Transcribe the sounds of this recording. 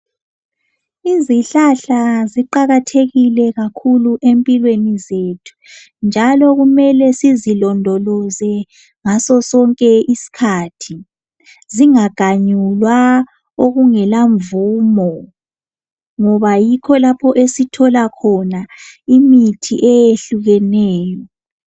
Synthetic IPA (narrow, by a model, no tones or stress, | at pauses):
iziɬaɬaziǃaɣatʰeɣilɛɣakʰuluʔempʼilwenizeːtʰu̥ | nd͡ʒʱalɔɣumɛlɛsizilɔndʱɔlɔzɛ | ŋasɔsɔŋkʼɛʔisi̥kʰaːtʰi | ziŋaɡ̥ʱaɲulwa | oɣuŋɛlaɱvuːmɔ | ŋɔβajikʰɔlapʰɔʔesitʰɔlakʰɔnaimitʰḭʔɛjeɬuɣɛnɛːjɔ